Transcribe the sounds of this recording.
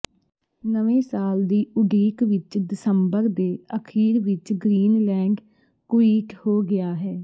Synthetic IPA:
nəʋẽːsaːld̪iːʔʊɖiːkʋɪt͡ʃd̪ɪsəmbəɾd̪eːəkʰiːɾʋɪt͡ʃɡɾiːnlɛ̃ːŋɡ | kʋiːkhoːɡɪaːɦɛː

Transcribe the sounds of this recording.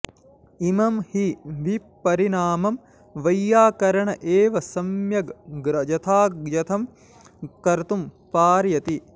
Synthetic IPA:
imɐmhiʋi | pːɐɾinaːmɐm | ʋɐjːaːkɐɾɐɳɐʔeːʋɐsɐmjɐɡɡɾɐd͡ʒɐt̪ʰaːɡjɐt̪ʰɐm | kɐɾt̪umpaːɾjɐt̪i

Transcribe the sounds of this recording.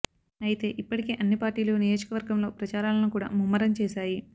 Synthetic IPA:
ɐjit̪e̞ːʔipːɐʈikeːʔɐnːipaːɾʈiːloːnijo̞ːd͡ʒɐkɐʋɐɾɡɐmlo̞ːpɾɐt͡ʃaːɾaːlɐnukuːɽa̰ːmumːɐɾɐmt͡ʃɛːʃaːji

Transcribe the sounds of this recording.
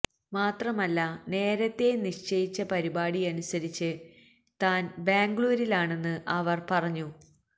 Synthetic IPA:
maːt̪rɐmɐlːɐne̞ːɾɐt̪ːe̞niʂt͡ɕɐjit͡ɕːɐpɐɾibaːɽiɐnusɐɾit͡ɕːɨ | t̪aːnbeːŋɡɭuːɾilaːɳe̞nːɨʔɐʋɐrpɐrɐɲːu

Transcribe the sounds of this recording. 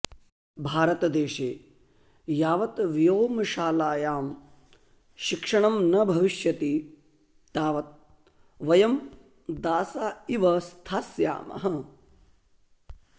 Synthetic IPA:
bʱaːɾɐt̪ɐd̪eːʃeː | jaːʋɐt̪ʋijoːmɐʃaːlaːjaːm | ʃikʂɐɳɐmnɐbʱɐʋiʃjɐt̪i | t̪aːʋɐt̪̚ | ʋɐjɐm | d̪aːsaːiʋɐst̪ʰaːsja̰ːmɐ̰ɦɐ

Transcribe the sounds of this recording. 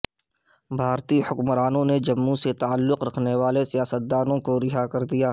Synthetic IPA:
bʱaːɾt̪ihʊkmɾaːnõned͡ʒɐmːũset̪aːəlːʊqɾɐkʰneʋaːlesijaːsət̪̚d̪aːnõkoɾɪɦakɐɾd̪ijaː

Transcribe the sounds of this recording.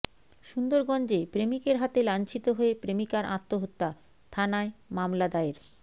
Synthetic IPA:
ʃund̪oɾɡɔnd͡ʑepɾemikeɾɦat̪elant͡ɕit̪oɦoepɾemikaɾʔa̰t̪ːoɦot̪ːa | t̪ʰanaemamlad̪aeɾ

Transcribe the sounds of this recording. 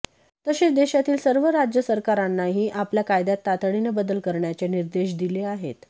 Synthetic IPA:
t̪əɕed̪eɕat̪iːlsəɾʋəɾad͡ʑjəsəɾkaɾanːaɦiːʔapljakajd̪at̪ːat̪əɽinebəd̪əlkəɾɳjat͡seniɾd̪eɕ̬d̪ileaɦḛt̪

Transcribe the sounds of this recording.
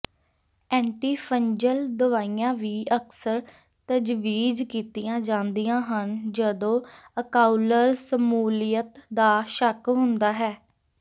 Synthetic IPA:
ɛ̃ːɳʈiːpʰəɲd͡ʒəld̪əʋaːijãːʋiːəksəɾ | t̪əd͡ʒʋiːd͡ʒkiːt̪ijãːd͡ʒãːnd̪ijãːɦənd͡ʒəd̪õː | əkaːuləɾsəmuːlijət̪d̪aːʃəkɦʊnd̪aːɦɛː

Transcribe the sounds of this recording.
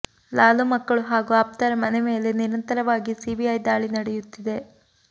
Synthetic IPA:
laːlumɐkːɐɭuɦaːɡuaːp̚t̪ɐɾɐmɐneme̞ːle̞niɾɐnt̪ɐɾɐʋaːɡisiːbiɐjd̪aːɭinɐɽɛjut̪ːid̪e̞

